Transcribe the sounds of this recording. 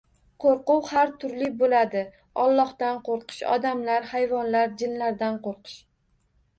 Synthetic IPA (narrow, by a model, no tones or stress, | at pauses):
qʰoɾqʊwhaɾt̪ʰʊɾlɪbolad̪ɪ | ɒlˠːɒhd̪anqʰoɾqɨ̥ʃɒ̰d̪amlaɾhajvɒnlaɾd͡ʒɪnlaɾd̪anqoɾqɨ̥ʃ